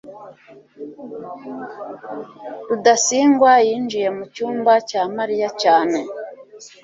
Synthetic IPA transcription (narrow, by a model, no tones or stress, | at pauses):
udasiːŋɡwajiːnd͡ʒije̞mucuːmbacaːmaɾijacaːne̞